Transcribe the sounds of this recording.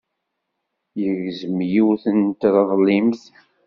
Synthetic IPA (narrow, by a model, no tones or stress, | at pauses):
jəɣzəmjiwθənt̪ɾˤðˤlːimθ